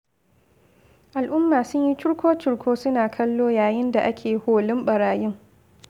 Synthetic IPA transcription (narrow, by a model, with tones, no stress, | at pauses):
ʔa˨lʔʊ˦mːaː˨sʊ˦ɲji˦t͡ʃʊ˦ɽkʷoː˦t͡ʃɪ˨ɽkʰʷoː˦sʊ˦naː˨kʰɐ˦lːoː˦jaː˨jɪ˦nda˨ʔa˦kʲʰeː˨hoː˨lɪ˦mɓɐ˨ɽaː˨jɪ˦ŋ